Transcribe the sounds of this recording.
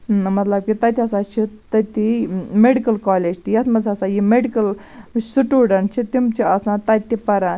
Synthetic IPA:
mɐt̪lɐb̚kit̪ɐt̪ʰʲiɐsat͡ʃʰit̪ɐt̪imeɖikɐlkaːleːd͡ʒt̪ijɐt̪ʰmɐd͡zɐsajimeɖikɐl | siʈuːɖɐɳʈt͡ʃʰit̪imt͡ʃiɐsnãt̪ɐt̪t̪ːipɐɾan

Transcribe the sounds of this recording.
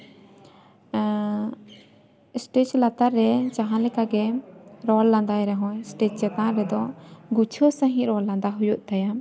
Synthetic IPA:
sʈet͡ʃlat̪aɾːɛt͡ʃaɦãlɛkaɡɛɾɔlːãnd̪ajɾɛɦɔ̃sʈet͡ʃd͡ʒɛt̪ãɾɛd̪ɔɡut͡ʃʰosə̃ɦĩɾɔlːãnd̪aɦujuʔ̚t̪aja

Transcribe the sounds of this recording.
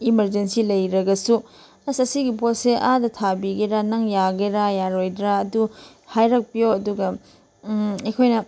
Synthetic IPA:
imɐɾd͡ʒensilɐjɾɐɡɐsu | ɐsɐsiɡipotseʔadɐtʰabiɡeɾanɐŋjaɡeɾajaɾojdɾaːdu | hajɾɐk̚pioɐduɡɐ | ɐjkʰojnɐ

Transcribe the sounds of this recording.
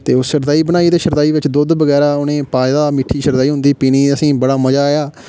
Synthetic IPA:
t̪eːʊsʃəɾd̪aːiːbənaːiːd̪eːʃəɾd̪aːiːʋɪt͡ʃd̪ʊd̪bəɡɛːɾaːʊnẽːpaːjd̪aːmɪʈʰːiːʃəɾd̪aːiːɦʊ̃nd̪iːpiːniːəsĩːbəɽaːməd͡ʒaːjaː

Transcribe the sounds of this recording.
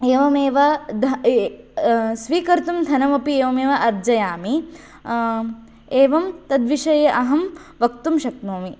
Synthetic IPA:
eːʋɐmeːʋɐd̪ʱɐ | sʋiːkɐɾt̪umd̪ʱɐnɐmɐpieːʋɐmeːʋɐʔɐɾd͡ʒɐjaːmi | eːʋɐmt̪ɐd̪ʋiʃɐjeʔɐɦɐmʋɐkt̪umʃɐk̪̚noːmi

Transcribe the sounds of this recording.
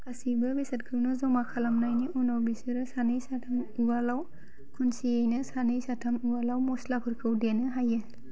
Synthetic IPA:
kʰasibɯbesat̚kʰɯnɔzɔmakʰalamnajniʔunawbisɯɾɯsanɯjsatʰamuwalaw | kʰunsiejnɯsanɯjsatʰamuwalawmɔslapʰɯɾkʰɯwdanɯɦajɯ

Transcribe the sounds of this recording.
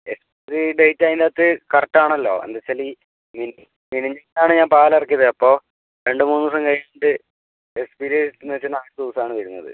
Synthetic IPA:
espiiɾiɖejtːaːjind̪aːt̪ːɨkɐrɐtːaːɳɐlːo̞̰ːɐ̰nd̪ɐt͡ɕːɐli | mini | miniɲɐŋːɐlaːɳɨɲaːmpaːlɐrɐk̬ːiːɐðɨɐpːo̞ː | ɾe̞ɳɖɨmuːnːusɐŋkɐjɐɳɖɨ | espiɾenet͡ɕːɨnaːt̪uːsaːɳɨʋɐɾunːɐ̰ðɨ̰

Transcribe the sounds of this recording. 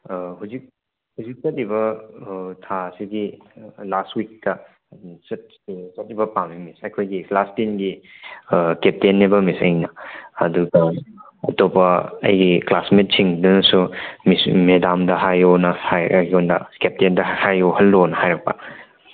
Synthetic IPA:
huzik̚ | huzik̚t͡ʃɐt̚ibɐ | tʰasiɡilastwik̚tɐ | t͡ʃɐt̚ | t͡ʃɐt̚ːibɐpambimisɐjkʰojɡiklastinɡi | kep̚tenːebɐmisɐ̰jnɐɐ̰duɡɐ | ɐ̰topɐɐ̰jɡiklasmet̚siŋdɐnɐsumismedamdɐɦajonɐhajondɐ̰kep̚tendɐhajohɐlːonɐhajɾɐk̚pɐ̰

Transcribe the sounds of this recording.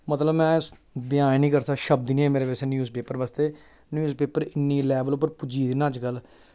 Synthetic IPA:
mət̪ləbmɛ̃ːbɪjãːnnĩːkəɾsəkʃəb̚d̪inieːmeːɾeːbesnjuːzpeːpəɾʋəst̪eː | njuːzpeːpəɾɪnːiːlɛːbəlp̬ːəɾpʊd͡ʒiːd̪ɪnãːt͡ʃɡəl

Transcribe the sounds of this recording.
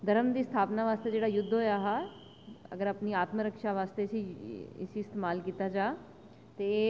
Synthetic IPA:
d̪əɾəmd̪iːst̪ʰaːpnaːʋaːst̪eːd͡ʒeːɽaːjʊd̪ːɦoːjaːɦaː | ə̰ɡəɾəpniːaːt̪məɾəkʃaːʋaːst̪esiːɪ̰siːɪst̪eːmaːlkiːt̪aːd͡ʒaː | t̪eː

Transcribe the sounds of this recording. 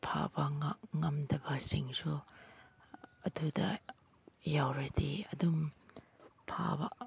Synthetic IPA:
pʰa̰bɐŋaŋɐmdɐbɐsiŋsu | ɐdudɐ | jawɾediɐdum | pʰa̰bɐ̰

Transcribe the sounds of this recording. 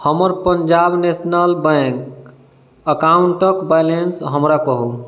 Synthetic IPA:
həməɾpəɲd͡ʒabnesnəlbɛ̃k | əkauɳʈəkbajlensɦəmɾakəɦu

